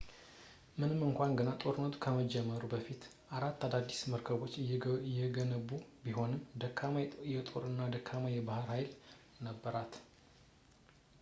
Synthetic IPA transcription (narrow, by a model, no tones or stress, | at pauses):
mɨnɨmːɨŋkʷanɡənat̪ʼo̞ɾɨnːət̪ʰu̥kʰəməd͡ʒɛmːəɾubəfit̪ | ʔaɾat̪ːad̪ad̪ːisməɾkʰəβo̞t͡ʃːjːɛɡənəβubiɦo̞nɨmd̪əkʰːamajɛt̪ʼo̞ɾɨnːad̪əkʰːamajɛbahɨɾhajl | nəbːəɾat̪